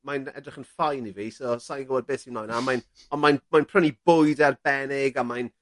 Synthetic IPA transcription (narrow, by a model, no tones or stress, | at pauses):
majnɛ̰drɪχənfajniviːsɔsajɡəwɛd̚beːsinɔjnamajn | ɔnmajnmajnpʰrənibʊjdɛrb̥ɛnɪɡamajn